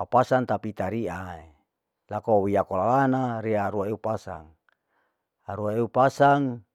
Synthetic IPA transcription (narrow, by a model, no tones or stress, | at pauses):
apasaŋt̪apit̪aɾiʔae | lakowiakolalanaɾiaɾuaeupasa̰ŋ | aɾuaeupasaŋ